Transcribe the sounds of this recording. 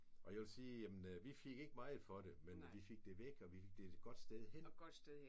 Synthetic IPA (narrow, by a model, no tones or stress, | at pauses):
ʔɒ̽jæʋelsiːjæmənʋife̝ɡ̥e̝ɡ̥əmɑ̈ɪð̩ˠfɒ̽ɾe̝menʋife̝ɡ̥̚d̥e̝ʋeɡ̥ɒ̽ʋifeɡ̥̚d̥e̝̥ɡ̥ɒ̽d̥sd̥eðˠhen̰ɡ̥d̥sd̥eðˠ